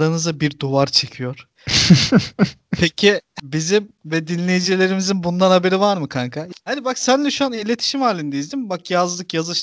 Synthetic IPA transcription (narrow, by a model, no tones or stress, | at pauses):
ɾanɯzabiɾd̪uvaɾt͡ʃʰe̞cʰijo̞ɾ̥ | pʰecʰibizimvɛd̪inlʲe̞jid͡ʒilʲe̞ɾimizinbund̪anhabe̞ɾivaɾmɯkʰaŋkʰahanibaksænlɛʃuanilʲe̞t̪ʰi̥ʃimhaːlʲind̪ejizd̪imbakjazlˠɯkjazɯʃ